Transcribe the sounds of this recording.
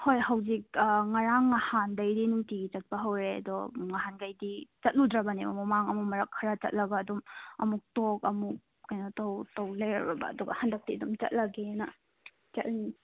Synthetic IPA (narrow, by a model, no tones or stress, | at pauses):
hojhɐwzik̚ŋaɾaŋːahandɐjdinuŋtiɡit͡ʃɐt̚pɐɦɐwɾeɐ̰dɔŋaɦanɡajdit͡ʃɐt̚ludɾɐbɐnimɐ̰mɐmaŋɐmumɐɾɐkʰːɾat͡ʃɐ̰t̚lɐɡaːdumɐ̰muk̚tokɐmuk̚ | kːajnɔtɐwtɐwlɐjɾɐbɐbɐ̰ːduɡɐ̰hɐndɐk̚tidumt͡ʃɐ̰t̚lɐɡenɐ̰ | t͡ʃɐt̚lin